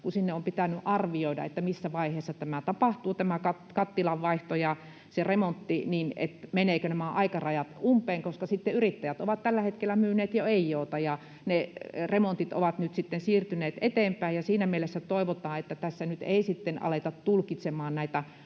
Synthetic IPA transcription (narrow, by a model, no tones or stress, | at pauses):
kusinːeompit̪ænyʔʔɑrʋioidɑ̰ḛt̪ːæmisːæʋɑiheːsːɑt̪æmæt̪ɑpɑht̪uːt̪æmækɑt̪kɑt̪ːilɑʋʋɑiht̪ojɑ | seremont̪ːiniːnḛt̪meneːkønæmæʔɑikɑrɑjɑt̪umpˑeːŋkoskɑsit̪ːeyrit̪ːæjæt̪oʋɑt̪t̪ælːæhet̪kelːæmyːneːt̪joeijːoːt̪ɑjɑ | neremont̪it̪o̰ʋɑt̪nyt̪sit̪ːensiːrt̪yneːt̪et̪eːmpæijɑsiːnæmielesːæt̪oiʋot̪ɑːet̪ːæt̪æsːænyt̪eisit̪ːenʔɑ̰let̪ɑt̪t̪ulkit̪semɑːnnæit̪æ